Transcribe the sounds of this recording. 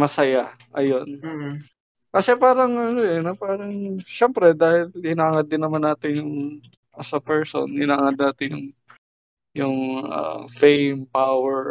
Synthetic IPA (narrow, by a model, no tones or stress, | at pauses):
mɐsɐja | ʔɐjo̞n | kɐsɛpaːɾɐŋʔɐnoʔɛnopaːɾɐŋʃɛmpɾɛd̪aːhɪlhɪnaːŋɐd̪ːɪnːɐmanːaːt̪ɪnjʊŋ | ʔɐsɐpɛɹso̰nhɪnaːŋɐd̪̚naːt̪ɪnjʊ̰ŋ | jʊŋʔɐ̰fejmpawɛɹ